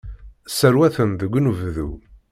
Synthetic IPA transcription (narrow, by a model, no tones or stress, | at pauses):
səɾwæθənðəɡʷːnuvðu